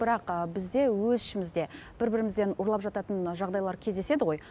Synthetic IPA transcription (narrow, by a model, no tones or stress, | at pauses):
b̥ɪɾɑqəbɪzd̪e̞wɵzʏʃɪmɪzd̪e̞ | b̥ɪɾbɪɾɪmɪzd̪e̞nʊɾlˠɑpʒɑt̪ɑt̪ənʒɑʁd̪ɑjlˠɑɾkʲʰe̞zd̪e̞se̞d̪ɪʁo̞j